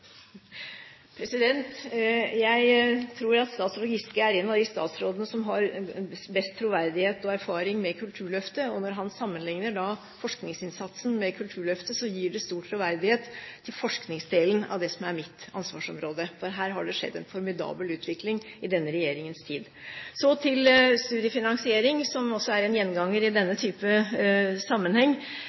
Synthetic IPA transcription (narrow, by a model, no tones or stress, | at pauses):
pʰɾɛsɪd̪ɛnt̪jæɪt̪ʰɾuːɾɑt̪st̪ɑːt̪slɔɡɪst̪kəæɾeːnɑd̪ɪst̪ɑ̰ːt̪sɾoːd̪ənəsɔmɦɑɾbɛst̪ʰːɾʊʋæɾd̪ɪheːt̪ɔæɾfɑːɾɪŋmɛkʰʉlt̪ʰʉːɭœft̪əɔnɔɾɦɑnsɑmːənlɪŋnəɖɑ | fɔʂknɪŋsɪnsɑt̪snmɛkʰʉlt̪ʰʉːɭœft̪əsɔjiːɖɛst̪uːʈʰːɾʊʋæɾd̪ɪheːt̪ʰːɪlfɔʂknɪŋsd̪eːlənɑ̰ʋd̪ɛsɔmæɾmɪt̪ɑnsʋɑːʂɔmɾoːd̪əfɔɾɦæːɾɦɑɖɛʂɛ̰d̪ːɛnfɔɾmɪd̪ɑ̰ːbəlʉːt̪ʰʋɪklɪŋɪd̪ɛnːəɾɛjeːɾɪŋənst̪ʰiːd̪ | sɔt̪ʰɪlst̪ʉːd̪ɪəfɪnɑŋsɪeːɾɪŋsɔmɔsːɔæɾɛnjɛnːɡɑŋːəɾɪd̪ɛnːət̪ʰyːpə | sɑmːənhɛŋː